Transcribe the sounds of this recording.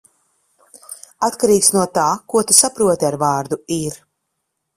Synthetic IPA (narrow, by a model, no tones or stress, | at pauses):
at̪kaɾiːksnuɔt̪aːkuɔt̪usapɾuɔt̪iaɾvaːɾd̪uiɾ